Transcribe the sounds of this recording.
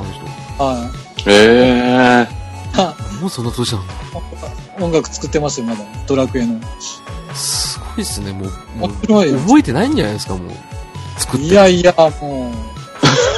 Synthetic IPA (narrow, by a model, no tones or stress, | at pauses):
anoçt̪ohai | e | amoːsõ̞nːat̪oːɕinãnaõkõŋɡakɯ̟̥t͡sɨ̥kɯ̟t̪ːe̞masɨjomad̪at̪o̞ɾakɯ̟e̞no̞ | sɨ̥ɡo̞isɨne̞moːiɾoiɯbo̞et̪e̞naĩɲd͡ʒana̰jd̪esɨ̥kamo̰ːt͡sɨ̥kɯieaiamoː